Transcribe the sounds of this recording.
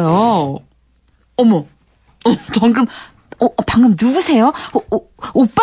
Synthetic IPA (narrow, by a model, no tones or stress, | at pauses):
jo | ʌmʌ | t͡ɕʌŋɡɯm | ʌpaŋɡɯmnuɡusʰe̞jo | op͈a